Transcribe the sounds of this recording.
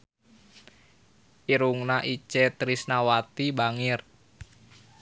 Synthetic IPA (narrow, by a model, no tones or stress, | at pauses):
iɾuŋnaʔit͡ʃɛt̪ɾisnawat̪ibaŋir